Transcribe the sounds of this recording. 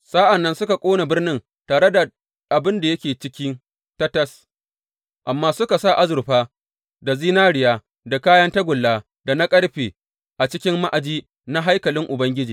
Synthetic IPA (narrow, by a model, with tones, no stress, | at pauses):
saː˦ʔa˨nːɐ˦nsʊ˦ka˨kʷʼoː˦na˨bɪ˦rnɪ˦n | taː˨ɽe˦da˨ | ʔa˨bɪ˦nda˨jɐ˦kʲeː˨t͡ʃɪ˦kʲɪ˦n | tɐ˦tɐ˦s | ʔa˨mːaː˦sʊ˦ka˨sa˦˨ʔa˦zʊ˨ɾɸaː˦ | da˨ziː˦naː˦ɽɪ˨jaː˦ | da˨kaː˦jɐ˦nta˦ɡʷʊ˨lːaː˦ | da˨na˦kʼɐ˦ɽɸeː˨ | ʔa˨t͡ʃɪ˦kʲɪ˦mːa˦ʔa˨d͡ʒiː˦ | na˦ɦa˦jkɐ˨lɪ˦ŋʔʊ˨bɐ˦ŋɡʲɪ˦d͡ʒiː˨